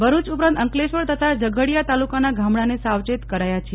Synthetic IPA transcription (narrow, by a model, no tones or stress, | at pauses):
bəɾut͡ʃupɾãnt̪əŋkleʃʋəɭt̪ət̪ʰad͡ʒəɡʱəɽijat̪alukanaɡʱamɽanesawt͡ʃet̪kəɾajat͡ʃʰe